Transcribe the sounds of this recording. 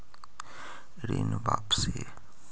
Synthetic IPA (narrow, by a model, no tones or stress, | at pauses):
ɾḛːnbaːpse